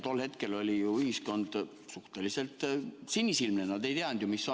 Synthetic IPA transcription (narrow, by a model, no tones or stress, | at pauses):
t̪o̞lːhe̞t̪ke̞lo̞lʲijuyhisko̞nd̪̥ | suht̪e̞lise̞lt̪ˑsinʲːisilmnenɑd̪e̞jt̪eɑnd̪̥jumisːo